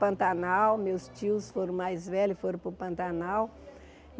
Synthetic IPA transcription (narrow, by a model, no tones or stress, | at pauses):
pɐ̃nt̪anawmewst͡ʃiʊsfoɾɐ̃w̃majzvɛlʊɪfoɾɐ̃pʊpɐ̃nt̪anaw | m